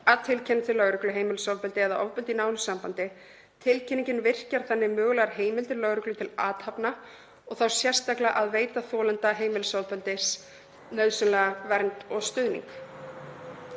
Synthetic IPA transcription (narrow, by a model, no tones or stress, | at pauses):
aðt̪ʰɪlcʰɛnɪt̪ɪlœɣɾʏklʏɦeːjmɪlʏsawpʏlt̪ɪɛðaʔɔvpʏlt̪inaːwnʏsampant̪ɪ | t̪ʰɪlcʰɛnːiɲcɪnvɪr̥caɾ̥θanːɪmʏːɣlaɾɦeːjmɪlt̪ɪɾlœɣɾʏklʏt̪ʰɪlaːt̪hapna | ɔɣθawsjɛr̥st̪aklaʔaðveːjt̪aθɔːlɛnt̪aɦeːjmɪlʏsawpʏlt̪ɪs | nœɥðsʏnlɛɣavɛɾnt̪ɔɣst̪ʏðnḭŋk